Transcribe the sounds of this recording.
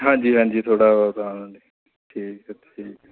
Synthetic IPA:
ɦãːd͡ʒiːɦãːɲd͡ʒiːt̪ʰoːɽaːʋaːt̪ãːnõːdiː | ʈʰiːktiːk

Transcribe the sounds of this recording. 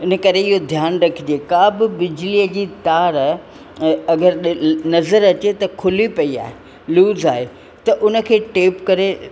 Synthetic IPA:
ɪnə̆kɐɾeɪɦod̪ʱjaːnɾɐkʰɪd͡ʑieːkaːbɪbɪd͡ʑliəd͡ʑiːt̪aːɾ | ɐɡəɾɗnɐzəɾɐt͡ɕet̪ɐkʰʊlipɐia̰ːɦe | luːzaːɦe | t̪ɐʔʊnə̆kʰeːʈeːpkɐɾe

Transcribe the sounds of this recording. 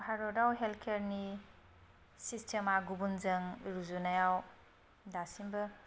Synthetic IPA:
haɾɔdawɦelkʰeɾni | sistʰemaɡubunzɐŋɾuzunajaw | dasimbɐ

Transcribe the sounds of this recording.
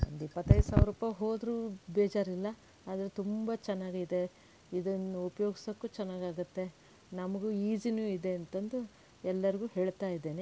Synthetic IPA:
o̰nd̪uipːɐt̪ːɐjd̪usaːʋɾuːpajɦoːd̪ɾuːbeːd͡ʒaːɾilːɐ | aːd̪ɐɾet̪umbɐt͡ʃɛnːaːɡid̪e̞ | id̪ɐnːuupɐjoːɡisɐkːuːt͡ʃɛnːaːɡaːɡut̪ːe̞ | nɐmɐɡuiːd͡ʒinjuid̪e̞ɐnt̪ɐnd̪u | ɛlːɐɾiɡuːhe̞ːɭt̪aːjid̪ːe̞ːne

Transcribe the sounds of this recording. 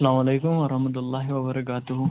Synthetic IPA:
ɐlaːmɐlejkʊmʋɐɾɐhmɐt̪̬ʊlˤːaːɦɪʋɐbɐɾɐk̬aːt̪ʊɦʊ

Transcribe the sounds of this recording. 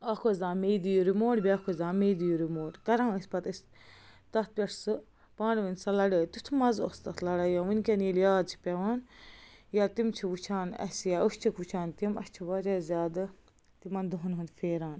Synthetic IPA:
ɐkʰozãːmeːd̪ijuɾimoːʈbʲeɐkʰozãːmeːd̪ijuɾimoːʈkɐɾãːɨsʲpɐt̪ɨsʲ | t̪ɐt̪̚pʲɐʈsɨ | pãːnʋinsɐlɐɽeːt̪ut̪ʰmɐzost̪ɐt̪ʰlɐɽajãːʋunʲkʲɐnjiljaːt͡ʃʰi̥pʲeʋaːn | jat̪imt͡ʃʰiʋut͡ʃʰaːnɐ̰sjaːust͡ʃʰikʋut͡ʃʰaːnt̪imɐ̰st͡ʃʰiʋɐd͡ʒaːzʲaːd̪ɨ | t̪imɐnd̪uɦunɦund̪feːɾaːn

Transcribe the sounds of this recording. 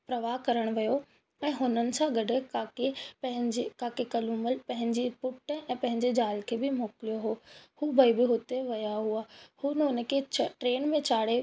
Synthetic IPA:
pɾɐʋaɦkɐɾəɽ̃ʋijo | ɛ̃ːɦʊnənɪ̆sãɡɐɖʱekakeɐɦɪ̃d͡ʑekaːkekɐluːməlpɐ̃ɦɪ̃ɲd͡ʑipʊʈəɛ̃ːpɐ̃ɦɪ̃ɲd͡ʑed͡ʑaːlkʰeːbɪmoːkɪlijoɦoːhuːbɐibɪɦʊt̪eʋɐjaɦuaːhuːnʊn̆kʰeːt͡ɕʈɾeːnmẽt͡ɕaːɽe

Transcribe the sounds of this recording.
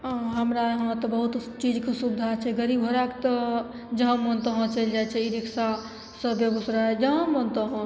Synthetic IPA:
ɦəmɾaɦə̃t̪ɔbəɦut̪t͡ʃid͡ʒkesubd̪ʱat͡ʃʰɛɡəɾibɦoɾakt̪ɔ | d͡ʒəɦə̃mənt̪əɦõt͡ʃəld͡ʒajt͡ʃʰɛiɾiksa | səbeɡusɾad͡ʒəɦə̃mənt̪əɦõ

